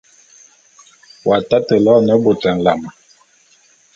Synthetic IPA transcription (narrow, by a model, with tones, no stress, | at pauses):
wa˨ta˦tə˨lɔ˦˨nɛ˦bo˨tɛ˨n̩˨la˨m˨